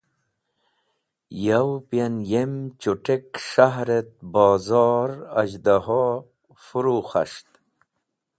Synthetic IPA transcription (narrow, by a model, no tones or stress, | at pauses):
jawpjanjemt͡ɕuʈekʂaɦɾet̪̚bɑːzɑːɾɐd͡ʑd̪aɦo | fuɾuxa̰ʂt̪